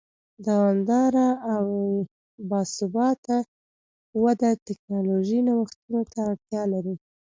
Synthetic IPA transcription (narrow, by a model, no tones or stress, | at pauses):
d̪awɑnd̪ɑɾaaw | bɑsʊbɑt̪a | wad̪at̪ɪknɑloʒinawəxt̪unot̪aːɽt̪jɑlaɾi